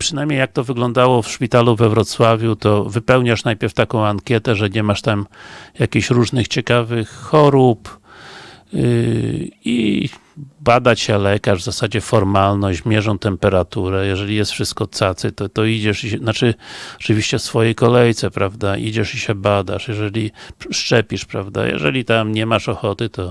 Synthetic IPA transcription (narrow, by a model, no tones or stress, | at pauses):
pʂɨnajmɲejak̚t̪ɔvɘɡlɔ̃nd̪awɔfʂpʲit̪aluvɛvɾɔt̪swavʲjut̪ɔvɘpɛwɲaʂnajpʲjɛɾft̪akɔ̃w̃aŋkʲjɛt̪ɛʐɛɲɛmaʂt̪amjakʲiɕɾuʐnɘxt͡ɕɛkavɘxːɔɾup | ḭ | bad̪at͡ɕɛlɛkaʐvzasad͡ʑɛfɔɾmalnɔmʲjɛʐɔ̃w̃t̪ɛmpɛɾat̪uɾɛjɛʐɛlʲijɛst̪fʂɘst̪̚kɔt̪sat̪sɨt̪ɔt̪ɔid͡ʑɛʂiɛnat͡ʂɘɔ̥t͡ʂɨvʲiɕt͡ɕɛsfɔjɛjkɔlɛjt̪sɛpɾavd̪aʔḭd͡ʑɛʂiɕɛbad̪a̰ʂjɛʐɛlʲiʂt͡ʂɛpʲiʂpɾavd̪a̰jɛ̰ʐɛ̰lʲit̪amɲɛmaʂɔxɔt̪ɘt̪ɔ